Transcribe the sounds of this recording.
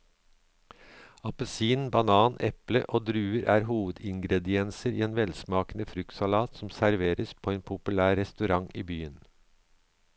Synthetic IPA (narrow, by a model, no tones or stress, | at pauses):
ɑpəsiːnbɑnɑːnʔɛplə̰ʔoːd̪ɾʉːəɾʔæːɾɦuːʋəd̪ɪŋɡɾɛd̪ɪɛnsəɾḭːeːnʋɛlsmɑːknəfɾʉkt̪sɑlɑːt̪sɔm̩sæɾʋeːɾəspʰoːeːnpʰʊpʉlæːɾɛst̪ʉɾɑŋiːbyːən